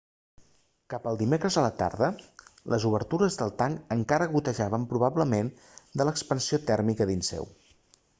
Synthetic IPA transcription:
kapəlˠd̪imekɾəzələt̪a̰ɾðələzuβəɾt̪uɾəzðəlˠt̪aŋəŋkaɾəβut̪əʒaβəmpɾuβ̞abləmen | d̪ələkspənsiot̪ɛɾmikəðinsɛ̰w

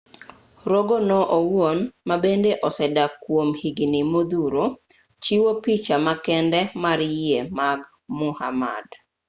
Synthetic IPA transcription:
ɾoɡonɔʔowwonmabendeʔɔsɛdakwomhiɡnimod̪uɾo | t͡ʃiwopit͡ʃamakɛndɛmaɾemaɡ | mʊhama̰d

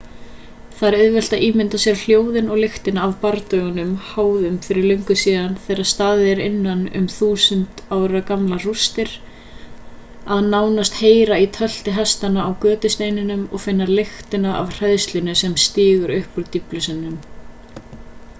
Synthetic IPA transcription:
θaɾʏðvɛl̥t̪aʔiːmɪnt̪asjɛɾl̥joːwðɪnɔɣlɪxt̪ɪnaːvpaɾt̪œɣʏnʏmhaːwðʏmfɪɾɪɾlœjŋkʏsiːðanθɛːɾaðst̪aːðɪɛɾɪnːanʏ̰mθuːsʏnt̪aːwɾɾakamlarust̪ɪɾ̥ | aðnaːwnast̪heːjɾait̪ʰœl̥t̪ɪɦast̪anaːwkœːt̪ʏst̪ejnɪnʏmɔ̰ɣfɪnːalɪxt̪ɪnaʔa̰vr̥ɛðst̪lɪnʏsɛmst̪ɪːɣʏɾʏhpʏɾt̪iplʏsɪnnːʏm

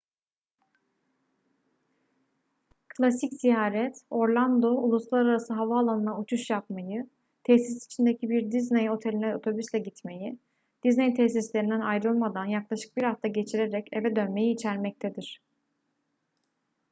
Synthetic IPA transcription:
kʰlʲˠasicz̥ijaːɾɛt̪o̞ɾlˠand̪o̞ulˠuslˠaɾaɾasɯɦavaːlˠanɯnaut͡ʃʰuʃjap̚majɯ | t̪ʰɛsisi̥t͡ʃʰind̪e̞cʰibiɾd̪iznejo̞t̪ʰe̞lʲinɛot̪ʰo̞byslʲɛɟit̪me̞ji | d̪̥iznejt̪ʰɛs̬islʲe̞ɾind̪ænajɾɯlˠmad̪anjaklˠaʃɯ̥k̚biɾaft̪ʰaɟe̞t͡ʃʰiɾeɾɛce̞vɛd̪ø̞nme̞jiːt͡ʃʰæɾmɛc̚t̪ʰed̪iɾ̥

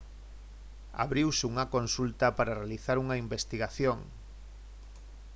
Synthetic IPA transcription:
a̰βɾiwsɪuŋɐkonsult̪ɐpaɾarealiθaɾuŋɐimbest̪iɣaθjoŋ

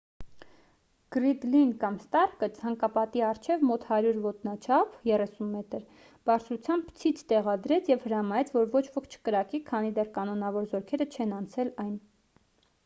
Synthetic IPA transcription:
ɡ̥ɾid̪linkɑmst̪ɑrkət͡sʰɑŋkɑpɑt̪iɑɾt͡ʃʰɛvmɔt̪hɑɾjuɾvɔt̪nɑt͡ʃʰɑpʰjɛrɛsunmɛt̪əɾ | b̥ɑɾt͡sʰɾut͡sʰjɑmbt͡sʰit͡sʰt̪ɛʁɑd̪ɾɛt͡sʰjɛvhəɾɑmɑɛt͡sʰvɔɾvɔt͡ʃʰvɔkʰt͡ʃʰə̥kəɾɑkikʰɑnid̪ɛrkɑnɔnɑvɔɾzɔɾkʰɛɾət͡ʃʰɛnɑnt͡sʰɛlɑjn

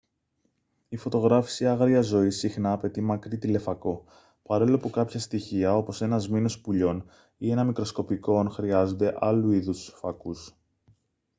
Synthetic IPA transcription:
ifo̞t̪o̞ɣɾɐfi̥siɐɣɾiɐzo̞isixnɐːpe̞t̪imɐkɾit̪ile̞fɐko̞ | pɐɾo̞loɐpukɐpçɐst̪içiɐo̞po̞se̞nɐzmino̞spuʎo̞n | ie̞nɐmikɾo̞sko̞piko̞nxɾiɐzo̞nd̪e̞ʔɐluiðusfɐkus

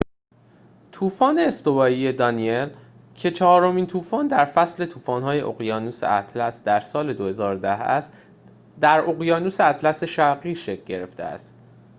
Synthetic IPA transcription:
t̪ʰuːfɒːne̞ːst̪o̞vɒːjije̞d̪ɒniel | cʰe̞t͡ʃʰɒɦɒːɾo̞miːnt̪ʰuːfɒːnd̪æɾfæsle̞t̪ʰuːfɒːnhɒːje̞ʔo̰ɣjɒːnuːsḛʔæt̪ʰlæsd̪æɾsɒːle̞d̪ohe̞zɒːɾod̪æhæ̰st̪ | d̪æɾoɣjɒːnuːseæt̪ʰlæse̞ʃæɾɣiːʃe̞kʰɟe̞ɾe̞ft̪ḛæ̰st̪

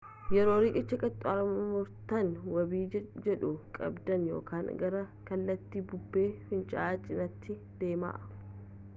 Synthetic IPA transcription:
jɛɾoːɾɪkʼɪt͡ʃːɐkʼɐt̪ʼːaːɾmmʊɾt̪ɐnwɐbiːd͡ʒɛᶑʊkʼɐ̰bd̪ɐnjo̞̰ːkaːŋɡɐɾɐkɐlːɐt̪ːiːbʊbːe̞ːfɪnt͡ʃʼa̰ːt͡ʃʼɪnɐt̪ʰːɪ | d̪̥e̞ːma̰ːʔɐ

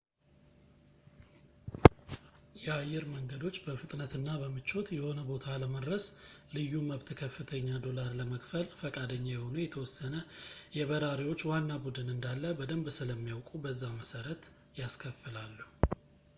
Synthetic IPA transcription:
jɛajːɛɾməŋɡəd̪o̞t͡ʃːbəfɨt̪ʼnət̪ʰɨnːabəmɨt͡ʃːo̞t̪jɛho̞nəbo̞t̪ʰaləməd̪ɾəslɨjːuməβt̪ʰkʰəfːɨt̪ʰəɲːad̪o̞laɾləməkʼfəlfəkʼad̪əɲːajɛho̞nujɛt̪ʰəwɔsːənəjɛβəɾaɾiwo̞t͡ʃːwanːabud̪ɨnɨnd̪alːəbəd̪əmbsɨləmːijawkʼubəzːaməsəɾət̪ | jaskʰəfːɨlalːu

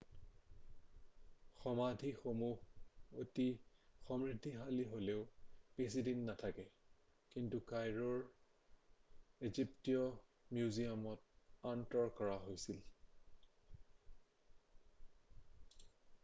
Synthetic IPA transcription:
xɔmadʱixomuhotixɔmɹidʱːiɦaliɦoleʊpesidinːatʰakɛ | kintukajɹɔɹ | eziptiɔ | mjuziamɔt̚antɔɹkɔɹaɦojsil

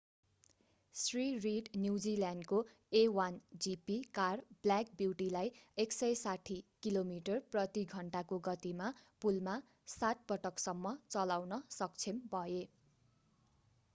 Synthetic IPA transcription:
sririɖnjuwd͡ziljanɖko | ewand͡zipikarblak̚biwʈilajeksʌjsaʈʰikilomiʈʌrprʌt̪iɡʱʌɳʈakoɡʌt̪imapulma | sat̪̚pʌʈʰʌksʌmːʌt͡sʌlawnʌsʌk̚t͡sʰembʱʌe

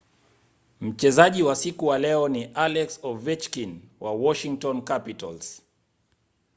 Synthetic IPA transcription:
m̩t͡ʃɛzaʄiwasikuwalɛɔniʔalɛksɔvit͡ʃkinwʔawɔʃiŋtɔnkapita̰lz̥

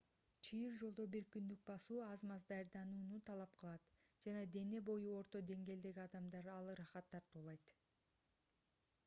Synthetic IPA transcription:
t͡ʃʰijɯɾd͡ʒo̞lˠd̪o̞biɾkynd̪yk̚bɑsuːɑzmɑzd̪ɑjɾd̪ɑnuːnut̪ʰɑlˠɑp̚qʰəlˠɑt̪d͡ʒɑnɑd̪e̞ne̞bo̞juo̞ɾt̪o̞d̪e̞ŋɡe̞ld̪e̞ɡʲiɑd̪ɑmd̪ɑɾɑlˠɾɑχɑt̪ʰːɑɾt̪uːlˠɑjt̪

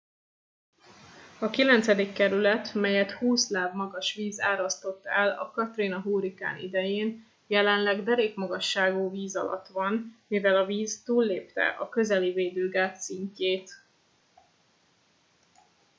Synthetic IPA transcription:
ɒkilɛnt̪sɛd̪ikːɛɾylɛt̪mɛjɛt̪huːslaːvmɒɡɒʃʋiːzaːɾɒst̪o̞t̪ːɛlɒ̰kɒt̪reːnɒɦuːɾika̰ːnḭd̪ɛjeːn | jɛlɛnlɛɡd̪ɛɾeːkmɒɡɒʃːaːɡuːviːzɒ̰lɒ̰t̪ʋɒnmivɛlɒviːzt̪uːlːeːpt̪ɛ̰ʔɒkø̞zɛliveːd̪øːɡaːt̪siɲcːeːt̪

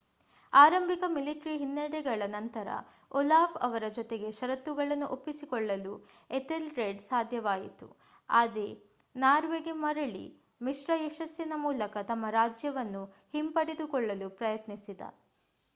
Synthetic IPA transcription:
aːɾɐmbʱikɐmiliʈɾiɦinːeɽɛɡɐɭɐnɐnt̪ɐɾɐ̰ | ɔlaːfɐʋɐɾɐd͡ʒɔt̪e̞ɡe̞ʃɐɾɐt̪ːuɡɐɭɐnːuʔopːisikɔɭːɐlu | et̪elɾeɖsaːd̪ʱjɐʋaːjit̪ṵ | aːd̪e | naːɾʋeːɡimɐɾɐɭḭ | miʂɾɐeʃɐsjɐnɐmuːlɐkɐt̪ɐmːɐɾaːd͡ʒjɐʋɐnːu | himpɐɽed̪ukɔɭːɐlupɾɐjɐt̪nisid̪ɐ̰

